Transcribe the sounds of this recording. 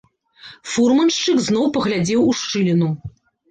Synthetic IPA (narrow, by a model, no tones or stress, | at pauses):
furmɐnʂt͡ʂɨkznɔwpɐɣlʲad͡zʲɛwuʂt͡ʂɨlʲinu